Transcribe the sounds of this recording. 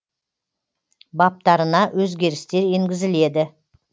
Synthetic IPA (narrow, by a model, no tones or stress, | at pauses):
bɑp̚t̪ɑɾənɑwʔɵzɡʲe̞ɾɪst̪e̞ɾeŋɡʲɪzɪle̞d̪ɪ